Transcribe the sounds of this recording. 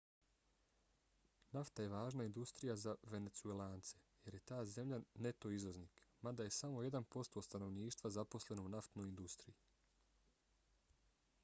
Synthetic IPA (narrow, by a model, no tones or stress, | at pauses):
naft̪aje̞ʋaːʒnaind̪ust̪ɾijazaʋe̞ne̞t̪suelˠaːnt̪se̞je̞ɾje̞t̪aːze̞mʎʲane̞t̪oizʋo̞zniːkmad̪aje̞samo̞je̞d̪anpo̞st̪o̞st̪ano̞ʋniːʃt̪ʋazapo̞sle̞nounaft̪no̞jind̪ust̪ɾii